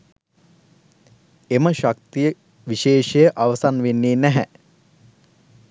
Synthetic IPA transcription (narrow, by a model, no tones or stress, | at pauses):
eməʃak̚t̪ijə | ʋiʃeːʃejəʔaʋəsanʋenːeːnæɦɛ